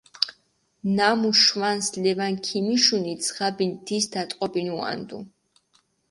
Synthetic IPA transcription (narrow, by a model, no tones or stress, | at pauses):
namuʃwanslɛvankʰimiʃunit̪sʰʁabind̪isd̪at̪ʼqʼɔbinua̰nd̪ṵ